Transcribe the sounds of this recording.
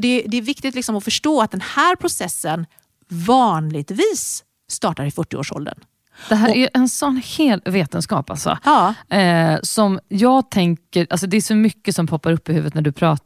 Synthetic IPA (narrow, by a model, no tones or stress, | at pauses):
d̪ɛd̪ɛːɾvɪkt̪ɪt̪lɪksɔmɔfœʂʈoːat̪̚d̪ɛnhæːɾpʰɾʊsɛsːən | vɑːnlɪɡt̪viːsː | t̪ɑːʈaɾɪfœʈːɪo̰ːʂɔ̰ld̪ə̰n | d̪ɛɦæːɾæʔɛnsɔnːheːlveːt̪ənskɑ̰ːpa̰lsɔ̰ | sɔmjɑːɡt̪ʰɛŋkəɾʔals̬ɔd̪ɛæɾfɔmʏkːəsɔmpʰɔpːaɾɵpːɪhʉvət̪næɖɵpʰɾɑ̰ː